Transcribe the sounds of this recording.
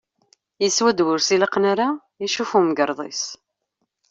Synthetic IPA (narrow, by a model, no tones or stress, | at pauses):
jəswæd̪wʊɾsiləqnaɾa | jiʃufumɡəɾˤðˤḛs